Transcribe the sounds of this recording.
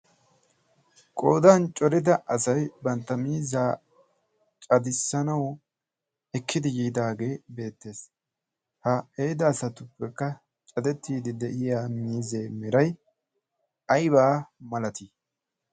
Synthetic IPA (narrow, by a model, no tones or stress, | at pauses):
kʼo̞ːd̪aːnt͡ʃʼɔɾɪd̪ɐʔɐsɐjbɐnt̪ːɐmiːzaː | t͡ʃʼɐd̪ɪsːɐnɐw | ɛkːɪd̪ɪjiːd̪aːɡe̞ːbe̞ːt̪ːe̞ːs | hɐejd̪ɐːsɐt̪ʊpːɛkːɐ | t͡ʃʼɐd̪ɛt̪ːiːd̪ɪd̪ɛʔɪjaːmiːze̞ːmɪɾɐj | ɐjbaːmɐlɐt̪i